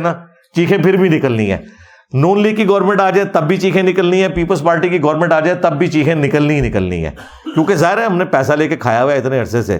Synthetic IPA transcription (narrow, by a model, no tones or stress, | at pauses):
naː | t͡ʃiːxʰẽpʰɪɾbʱinɪkəlnḭ̃ɦɛ̰ː | nuːnliːɡ̚kiɡɔːɾmɛ̃ɳʈaːd͡ʒaːɛt̪ɐbːʱit͡ʃiːkʰẽnɪkəlnĩɦɛ̃ːpiːpəlspaːɾʈikiɡɔːɾmɛ̃ɳʈaːd͡ʒaːɛt̪ɐbːʱit͡ʃiːkʰẽnɪkəlnĩnɪkəlnḭ̃ɦɛ̰ː | kjõːkezaːɦɪɾɦɛɦɐmnepɛːsaleːkekʰa̰ːjaɦʊjaɪt̪neɐɾsesḛː